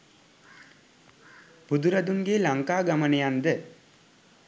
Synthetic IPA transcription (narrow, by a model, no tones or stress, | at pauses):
b̥ud̪uɾɐd̪uŋɡelaŋkaːɡamənəjand̪ə